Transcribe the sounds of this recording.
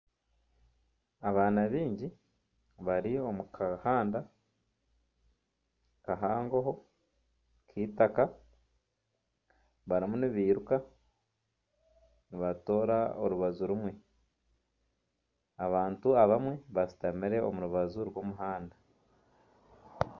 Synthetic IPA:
aβaːnaβiːɲɟi | βaɾio̞mukʰahaːnda | kaɦaːŋɡoɦo̞ | kʰiːtaka | βaɾimuniβiːɾuka | niβato̞ːɾaoɾuβazuɾumwe̞ | aβaːntuaβamwe̞βasi̥tamiɾe̞o̰muɾuβazuɾwo̞muɦaːnda

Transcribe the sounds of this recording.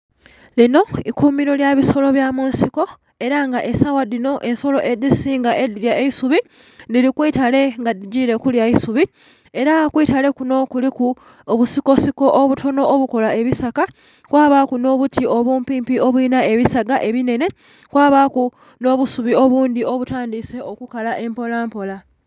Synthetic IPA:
lino̞ikumiɾo̞ljaβiso̞lo̞βjamuːnsiko̞ | e̞ɾaŋɡaʔe̞sawadino̞ʔe̞nso̞lo̞ʔe̞disiːŋɡaʔediɾjaeisuβi | nilikwiːtale̞ŋɡadiɟiːɾe̞kuljaisuβi | e̞ɾakwiːtale̞kuno̞kuliku | oβusiko̞siko̞ʔoβutʰo̞no̞ːβuko̞lae̞βisaka | kwaːβakuno̞ːβutʰio̞βuːmpiːmpio̞βwinae̞βisaɡaʔe̞βine̞ne̞ | kwaːβaku | no̞ːβusuβio̞βuːnd̪io̞βutaːndise̞ʔo̞kukalaʔe̞mpo̞laːmpo̞la

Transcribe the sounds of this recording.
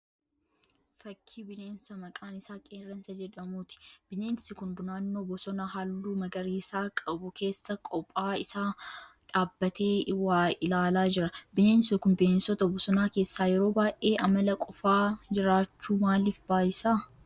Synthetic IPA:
fɐkʰːiːbɪneːnsɐmɐkʼaːnɪsaːkʼeːrːɐnsɐd͡ʒɛᶑɐmuːt̪ɪ̥b̥ɪneːnsɪkʊnd̪ʊnaːnːo̞ːbɔsɔnaːɦalːuːmɐɡɐɾiːsaːkʼɐbʊke̞ːsːɐkʼɔpʼːaːɪsaː | ᶑaːbːɐt̪ʰe̞ːwaːɪlaːlaːd͡ʒɪɾɐbɪne̞ːnsɪkʊmbɪneːnsɔt̪ɐbɔsɔnaːke̞ːsːaːjɛɾo̞ːbaːʔeːʔɐmɐlɐkʼɔfaːd͡ʒɪɾaːt͡ʃːuːmaːlifbaːjɪsaː

